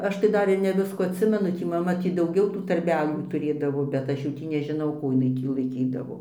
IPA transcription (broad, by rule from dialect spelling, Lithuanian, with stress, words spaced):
ˈɐʃ tɐɪ ˈdɐr ɪr nʲɛ ˈʋʲɪskuː ɐtʲˈsʲɪmʲɛnʊ ˈtʲiː mɐˈmɐ ˈtʲiː dɐʊˈɡʲɛʊ tuː tɐrʲˈbʲæːlʲuː tʊˈrʲeːdɐʋoː bʲɛt ˈɐʃ jɛʊ ˈtʲiː nʲɛʒʲɪˈnɐʊ ˈkuː ɪˈnɐɪ ˈtʲiː lˠɐɪˈkʲiːdɐʋoː